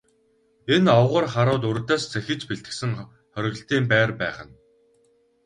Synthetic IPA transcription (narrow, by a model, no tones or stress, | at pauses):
enɔwʁə̆rχaɾʊːt̪̬ɵrt̪æːst͡sʰæxʲɪ̆t͡ɕpiɮt̪ɘ̥̆ksɘ̆ŋ | χœɾʲɪ̆ɣ̆ɬt̪iːmpæːrpæːχə̆n